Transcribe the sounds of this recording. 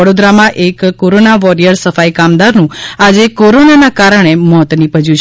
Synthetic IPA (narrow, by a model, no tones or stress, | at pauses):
əɽod̪ɾamãʔekkːoɾonaʋɔɾijəɾsəfaikamd̪aɾnũad͡ʒekoɾonanakaɾəɳ̃emɔt̪nipəd͡ʒũt͡ʃʰ